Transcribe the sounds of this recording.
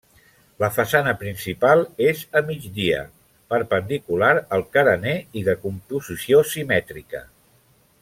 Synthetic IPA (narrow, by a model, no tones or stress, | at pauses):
ləfəsanəpɾinsipalˠezəmid͡ʒdiə̰ | pəɾpənd̪ikulaɾəlˠkəɾəneiðəkumpuzisiosimɛt̪ɾikə̰